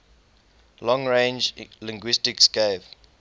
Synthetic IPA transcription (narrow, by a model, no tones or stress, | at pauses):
lɔ̃ŋɹẽnd͡ʒlɪ̃ŋɡwistɪksɡev